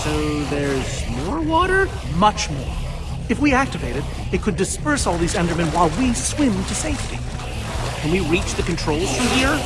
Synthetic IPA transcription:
soʊðə˞zmɔɹwɔɾə˞ | mʌt͡ʃmɔ̰ɹ | ɨfwiæk̚tɨveɪɾɨɾ | ɨt̚kʰɨdɨspɜ˞sɔlˠðizɛ̃ndə˞mɨ̃nwaɪlˠwiswɪ̃mtʰɨseɪftḭ | kʰɨ̃nwiɹit͡ʃðɨkn̩tʰɹ̥oʊlˠz̥fɹʌ̃mhiɹ

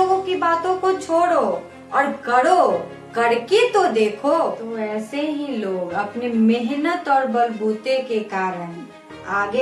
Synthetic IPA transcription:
oːɡõkibaːt̪õkot͡ʃʰoːɽo | ɔːɾkɐɽo | kɐɽket̪od̪eːkʰot̪oɛːseɦiloːɡɐpnemɪɦnət̪ɔːɾbɐlbuːt̪ekekaːɾən | aːɡe

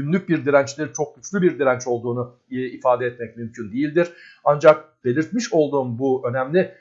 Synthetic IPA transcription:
ynlʲyc̚biɾd̪iɾænt͡ʃlʲeɾit͡ʃʰo̞k̚ɟyt͡ʃlʲybiɾd̪iɾænt͡ʃo̞lˠd̪uːnu | ifaːd̪ɛɛt̪mɛcmymcʰynd̪ejilʲd̪iɾ̥ | and͡ʒak̚b̥e̞lʲiɾt̪miʃo̞lˠd̪uːnbuø̞næmlʲɪ

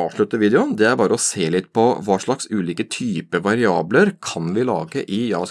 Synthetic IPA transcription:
ɑːʋʂɭʉt̪ːəʋiːd̪ɛʊnd̪ɛæɾbɑːɾəɔseːlɪt̪ːpʰɔʋɑːʂɭɑksʉːliːkət̪ʰyːpəʋɑɾɪɑːbləɾkʰɑnʋɪlɑ̰ːɡə̰ʔɪjɑ̰ːs

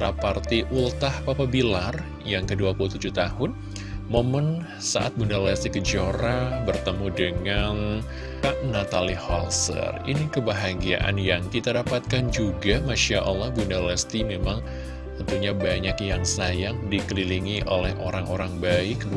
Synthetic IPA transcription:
ɾa̰part̪iʔult̪ahpapabilar | jaŋkəduapulut̪ud͡ʒut̪ahʊn | momən | sa̰ʔa̰t̪̚bundalɛst̪ikəd͡ʒoɾabərt̪əmudəŋan | aʔnat̪alihɔ̰lsə̰rinikəbaɦaɡia̰ʔa̰njaŋkit̪adapat̪̚kand͡ʒuɡamaʃaʔalːɔhbundalɛst̪imemaŋ | əpuɲabaɲakjaŋsajaŋdikəliliŋiʔolɛhʔoɾaŋoɾaŋbaikədu

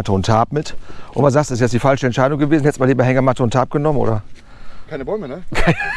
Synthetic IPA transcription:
təʊntʰhaːpmɪtʔʊ̰nmanzaːsdɪsjɛt͡sd̥iːfalʃəɛntʃaɪdʊŋɡəveːzn̩hɛtəsmaːliːbɐɦɛŋɐmatəʊntʰhaːp̚ɡ̥ənɔmənʔo̰ːdɐ | kʰaɪnəbɔʏmənəkʰaɪn

